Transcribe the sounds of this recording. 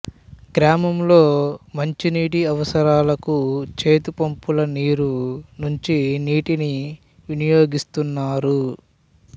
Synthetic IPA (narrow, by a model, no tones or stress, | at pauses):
ɡɾaːmɐmlo̞ːmɐɲt͡ʃiniːʈiɐʋɐsɐɾaːlɐkut͡ʃe̞ːt̪upɐmpulɐniːɾunuɲt͡ʃiniːʈini | ʋinijo̞ːɡist̪unːaːɾu